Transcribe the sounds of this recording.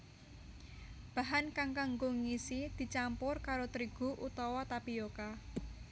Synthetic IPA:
b̥a̤ɦankaŋkaŋɡoŋisid̪̥i̤t͡ʃampʊrkaɾot̪ɾiɡ̥ṳʔut̪ɔwɔt̪apijoka

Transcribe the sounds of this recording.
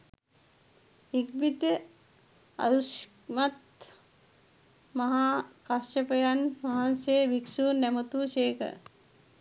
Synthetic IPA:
ik̚bit̪ə | ɐ̰ɾuʃ | mɐt̪ | mɐɦakɐsʈɐpɐjɐnmɐɦanseːʋikʃuːɾnɛmɐt̪uːʃeːkɐ̰

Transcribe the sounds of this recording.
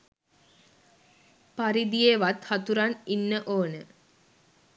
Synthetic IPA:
paɾid̪ijeʋat̪hat̪uɾaninːəʔoːnə

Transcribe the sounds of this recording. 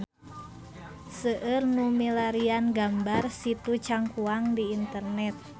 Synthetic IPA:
səʔərnumilaɾianɡambarsit̪ut͡ʃaŋkuaŋdiːnt̪ərnɛt̪̚

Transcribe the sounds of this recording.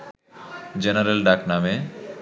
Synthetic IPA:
d͡ʑenaɾelɖakname

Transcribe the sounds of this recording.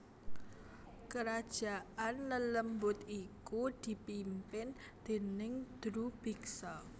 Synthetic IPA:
kəɾad̥ʒ̥a̤ʔanlələmbʊt̪ikud̪̥i̤pimpɪn | d̪̥e̤nɪŋd̪̥ɾub̥iksɔ

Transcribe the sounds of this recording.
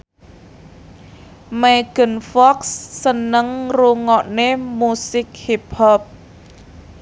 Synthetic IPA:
meɡ̥ə̤nfɔksːənəŋruŋɔʔnemusɪk̚hipɔp̚

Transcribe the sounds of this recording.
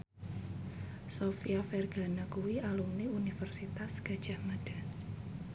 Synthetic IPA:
sofiafɛrɡ̥anakuwiʔalumniunifərsit̪asɡ̥a̤d̥ʒ̥a̤mad̥a̤

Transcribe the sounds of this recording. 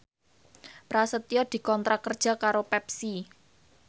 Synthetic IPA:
pɾasət̪iɔd̪̥i̤kɔnt̪ɾakərd̥ʒ̥a̤kaɾopɛp̚si

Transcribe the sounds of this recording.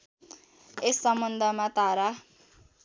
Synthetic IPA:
esːʌmbʌnd̪ʱʌmat̪aɾa

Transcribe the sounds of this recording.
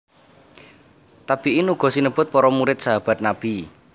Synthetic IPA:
t̪ab̥iʔinuɡ̥ɔ̤sinəb̥ʊ̤t̪̚pɔɾɔmuɾɪt̪̚saɦab̥a̤t̪̚nab̥i

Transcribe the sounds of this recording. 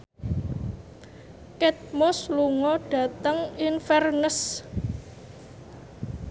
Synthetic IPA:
kɛt̪̚mɔsluŋɔɖ̥ä̤t̪əŋɪnfɛrnəs

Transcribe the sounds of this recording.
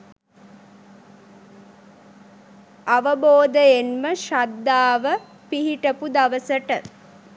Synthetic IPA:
aʋəboːd̪əenməʃad̪ːaːʋə | piɦiʈəpud̪aʋəsəʈə

